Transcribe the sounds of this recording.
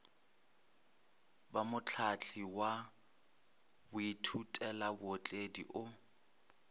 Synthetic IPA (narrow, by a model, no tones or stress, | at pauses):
bamʊt͡ɬʰat͡ɬʰiwa | bʊitʰutʼɛlabʊɔt͡ɬʼedḭʔʊ